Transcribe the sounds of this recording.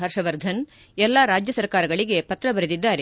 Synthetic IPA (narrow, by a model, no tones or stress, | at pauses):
ɦɐɾʂɐʋɐɾd̪ʱɐn | ɛlːaːɾaːd͡ʒjɐsɐɾkaːɾɐɡɐɭiɡe̞pɐt̪ɾɐbɐɾed̪id̪ːaːɾe